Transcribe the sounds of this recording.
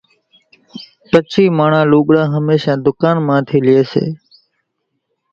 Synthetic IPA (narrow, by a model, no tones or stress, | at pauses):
pət͡ʃʰiːmaːɳãːluːɓɽãːɦəmeːʃãːd̪ʊkaːnmãːt̪ʰiːlɪeːsḛː